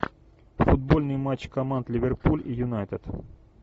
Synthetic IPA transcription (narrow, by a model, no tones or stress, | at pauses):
fʊd̪̚bo̞lʲnɨjmat͡ɕːkɐmand̪lʲɪvʲerpulʲijʊnajt̪ət̪